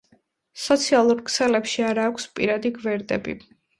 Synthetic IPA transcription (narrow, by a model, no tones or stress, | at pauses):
sɔt̪sʰialˠuɾkʰsɛlɛpʃiaɾaːkʷʰspʼiɾad̪iɡvɛɾd̪ɛbḭ